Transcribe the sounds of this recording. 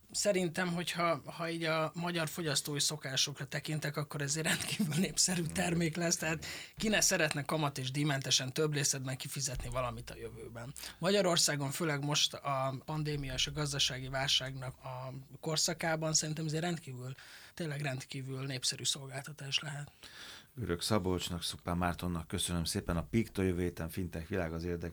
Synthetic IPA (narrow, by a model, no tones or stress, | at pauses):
sɛɾint̪ɛmɦo̞chɒhɒiːɟɒmɒɟɒrfo̞ɟɒst̪oːjiso̞kaːʃo̞krɒt̪ɛkint̪ɛkɒkːo̞ɾɛzeːrɛnt̪ki̥ːvylneːpsɛɾyːt̪ɛrmeːklɛst̪ɛɦaːt̪kinɛsɛɾɛt̪nɛkɒmɒt̪eːʒd̪imɛnt̪ɛʃɛnt̪øbleːsɛd̪̚bɛŋkifizɛt̪nivɒlɒmit̪ɒ̰jøvøːbɛnmɒɟɒɾo̞rsaːɡo̞ɱføːlɛɡmo̞ʃt̪ɒpɒnd̪eːmijɒeːʃɒɡɒzd̪ɒʃaːɡivaːlʃaːɡnɒkɒko̞rsɒkaːbɒnsɛɾint̪ɛmɛzeːrːɛnt̪kiːvylt̪eːnlɛɡrɛnt̪kiːvylneːpsɛɾyːso̞lɡaːlt̪ɒt̪aːʃlɛɦɛt̪ɡøɾøksɒbot͡ʃnɒksupːaːmaːrt̪o̞nːɒkːøsønømseːpɛnɒpikt̪ojøvøːjeːt̪ɛɱfint̪ɛkʋilaːɡɒzeːrd̪ɛ